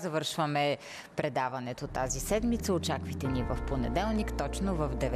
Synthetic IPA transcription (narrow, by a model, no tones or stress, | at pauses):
zɐvɤɾʃvəmɛ | pɾɛd̪avɐnɛt̪ot̪azisɛd̪mit̪səot͡ʃakvəjt̪ɛnivəfponɛ̰d̪ɛlˠnikt̪ɔt͡ʃnovəvd̪ɛvɛ